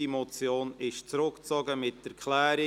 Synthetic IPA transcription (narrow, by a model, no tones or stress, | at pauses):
imɔt͡sjoːnɪʃt͡sɾʊkt͡sɔɡəmɪtːɛkʰlæːɾi